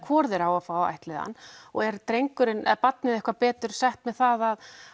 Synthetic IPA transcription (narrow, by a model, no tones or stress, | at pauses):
kʰvɔːɾðɪɾawafawa̰jht̪lɪða̰nːɔɣɛɾt̪ɾejŋkʏɾɪnɛ̰ðpat̪nɪðɛhkvaɾpɛːt̪ʏɾ̥sajht̪mɛðθaðað